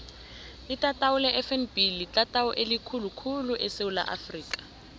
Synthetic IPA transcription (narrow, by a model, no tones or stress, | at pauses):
itʼatʼaʊlɛʔɛfɛnbilitʼatʼaɔʔelikʰulukʰuluʔɛseʊla̰ʔa̰friːkʼḁ